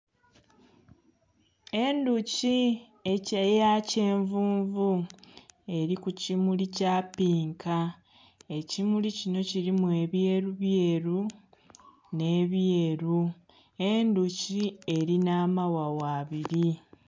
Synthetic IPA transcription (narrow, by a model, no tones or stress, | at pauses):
e̞nduci | e̞cajace̞ːɱvuːɱvu | e̞ɾikucimulicaːpiːŋka | e̞cimulicino̞ciɾimue̞βje̞ːɾuβje̞ɾu | ne̞ːβjeːɾu | e̞nducie̞ɾinaːmawawaːβiɾi